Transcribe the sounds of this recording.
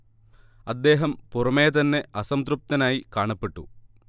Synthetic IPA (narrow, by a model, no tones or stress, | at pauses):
ɐd̪ːe̞ːɦɐmpurɐmeːt̪̬ɐnːe̞ɐsɐmt̪rup̚t̪ɐnaːjikaːɳɐpːeʈːu